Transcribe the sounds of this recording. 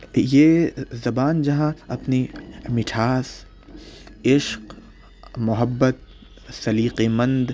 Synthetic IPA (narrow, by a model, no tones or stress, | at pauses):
jeːzɐbaːnd͡ʒɐɦãɐpnimɪʈʰaːs | ɪʃq | mʊɦəbːət̪̚ | sɐliːqemɐ̃nd̪